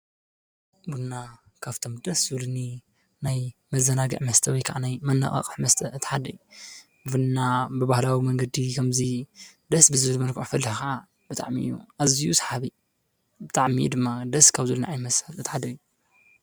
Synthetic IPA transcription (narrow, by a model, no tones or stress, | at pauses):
buna | kʰaft̪ʰo̞md̪ɐszɨluni | najmɐzːɐnaɡɐ̰ʕmɐst̪ʰɐwɔjkʰaʔanajmɐnːa̰χʼɐ̰χʼɨħmɐst̪ʰɐɨt̪ʰːħad̪ɐju | ɨfɨnnabɨbahlawimɐŋɡɐd̪ikʰɐmzid̪ɐsbɨzɨβɨlmɐlkʰʔfɐlːɨhxaʕa | bɨt̪ʼa̰ʕmiʔjːṵʔazijusḁħaβi | bɨt̪ʼaʕmij̰d̪ɨmːad̪ɐskʰaβzɨlnaʕajnmɐshɐlɨt̪ʰːħad̪ɐjːu